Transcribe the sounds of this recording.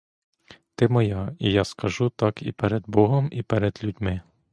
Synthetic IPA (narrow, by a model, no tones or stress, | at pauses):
t̪ɪmɔjɑijɑskɐʒut̪ɑkipɛɾɛd̪bɔɦɔmipɛɾɛd̪lʲud̪ʲmɪ